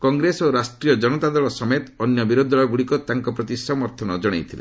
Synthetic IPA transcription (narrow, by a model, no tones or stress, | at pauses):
kɔŋɡɾesoɾasʈɾiɔd͡ʒɔnɔt̪ad̪ɔɭɔsɔmet̪ɔnjɔbiɾod̪ʱɔɭɔɡuɽikɔt̪aŋkɔpɾɔt̪isɔmɔɾt̪ʰɔnɔd͡ʒɔɽ̃ḛjt̪ʰilḛ